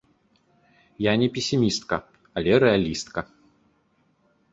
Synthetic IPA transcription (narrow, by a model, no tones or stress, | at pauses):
janʲɛpʲesʲimʲist̪kɐ | alʲɛɾɛalʲist̪kɐ